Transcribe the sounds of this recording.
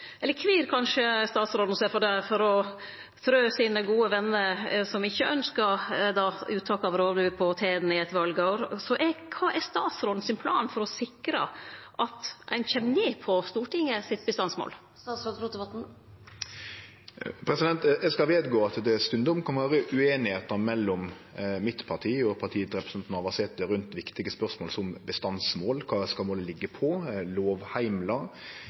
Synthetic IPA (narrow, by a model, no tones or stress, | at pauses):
ʔɛlːəɾkʰʋiːɾkʰɑnʂəst̪ɑːt̪sɾoːd̪n̩ɔseːfɔɖæfɔɾɔ | t̪ʰɾøːsiːnəɡuːəʋɛnːəɾsɔmɪçːəœnskəɾd̪ɑːʉːt̪ʰɑːkɑʋɾoːd̪ʉːpʰɔt̪ʰeːd̪n̩ɪɛt̪ʋɑlɡəoːɾsɔʔɛkʰɑːʔɛst̪ɑːt̪sɾoːd̪n̩sɪnpʰlɑːnfɔɾɔsɪkɾə̰ʔɑt̪æ̰ɪnçɛmːneːpʰɔst̪uːʈɪŋːəsɪt̪̚bəst̪ɑnsmo̰ːl | ɑːsɾoːd̪ɾuːt̪ʋɑt̪̩ | pʰɾɛsɪd̪ɛnt̪ɛskɑʋeːd̪ɡoːɑt̪d̪ɛst̪ʉnd̪ɔmkʰɑnʋæːɾəʔʉeːnɪheːt̪əmɛlːɔm | mɪt̪pʰɑʈ̪ʰiːɔpʰɑʈʰiːt̪ɾɛpɾəsɛnt̪nɑʋɑsɛt̪əɾʉnt̪ʋɪkt̪ɪɡəspœʁsmoːlsɔmbəst̪ɑnsmoːlkʰɑːskɑlmoːləlɪɡːəpʰɔloːʋhæɪmlɑ